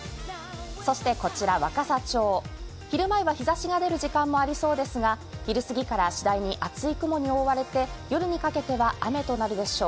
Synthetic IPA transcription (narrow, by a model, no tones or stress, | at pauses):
so̞ɕi̥t̪e̞ko̞t͡ɕiɾaβakasat͡ɕo̞ː | çiɾɯ̟maiβaçizaɕiɡad̪e̞ɾɯ̟ʑikãmːo̞aɾʲiso̞ːd̪e̞sɨɡa | çiɾɯ̟sɨɡʲikaɾaɕid̪aiɲ̟iʔat͡sɨikɯ̟mo̞ɲ̟io̞ːβaɾe̞t̪e̞jo̞ɾɯ̟ɲ̟ikake̞t̪e̞βaame̞t̪o̞naɾɯ̟d̪e̞ɕo̞ː